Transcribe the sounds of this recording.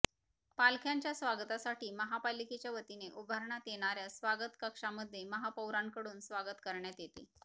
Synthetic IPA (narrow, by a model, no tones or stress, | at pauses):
palkʰjaɲt͡ɕjasʋaɡt̪asaʈiːməɦapalːiket͡ɕjaʋət̪ineʔubʱəɾɳat̪jeɽ̃aɾjasʋaɡət̪kəkʂaməd̪ʱːjeməɦapəwɾaŋkəɽuːnsʋaɡət̪kəɾɳjat̪jet̪ḛ